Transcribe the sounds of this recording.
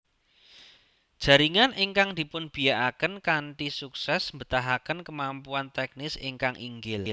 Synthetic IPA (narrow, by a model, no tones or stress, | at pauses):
d̥ʒ̥ä̤ɾiŋanʔeŋkaŋd̪̥i̤pʊnb̥i̤aʔakənkaɳʈisuksɛsmbə̤t̪aɦakənkəmampuant̪ɛk̚nɪsɪŋkaŋʔḭŋɡɪll